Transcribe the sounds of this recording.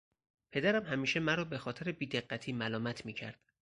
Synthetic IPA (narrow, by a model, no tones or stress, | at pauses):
pʰe̞d̪æɾæmhæmiːʃe̞mæɾɒːbe̞xɒːt̪ʰeɾebiːd̪e̞ɢːæt̪ʰiːmælɒːmæt̪ʰmiːcʰæ̰ɾd̪̥